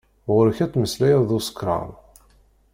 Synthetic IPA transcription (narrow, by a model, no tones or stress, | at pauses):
ʁʊɾəçæt͡sːməslæjæðˤusə̥kɾˤɑ̰m